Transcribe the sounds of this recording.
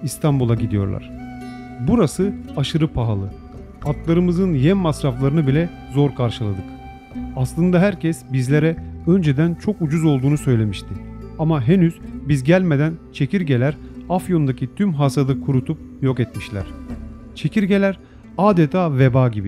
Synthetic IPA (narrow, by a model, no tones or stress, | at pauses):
ist̪ʰambulˠaɟid̪ijo̞̰ɾlˠa̰ɾ̥ | buɾasɯaʃɯɾɯpʰaɦalˠɯ | at̪lˠaɾɯmɯzɯnjɛmmasɾaflˠaɾɯnɯbilʲɛ | zo̞ɾkʰaɾʃɯlˠa̰d̪ɯk | aslˠɯnd̪aɦæɾcʰɛsbizlʲe̞ɾɛø̞nd͡ʒed̪ænt͡ʃʰo̞kud͡ʒuzo̞lˠd̪uːnusø̞jlʲe̞miʃt̪ʰiamaɦe̞nyz̥bizɟælʲme̞d̪ænt͡ʃʰe̞ciɾɟe̞lʲæɾafjo̞nd̪acʰit̪ʰymɦaːsad̪ɯkʰuɾut̪ʰup̚ | jo̞kɛt̪miʃlʲæ̰ɾ̥ | t͡ʃʰe̞cʰiɾɟe̞lʲæɾ | aːd̪et̪ʰaːve̞baːɟibi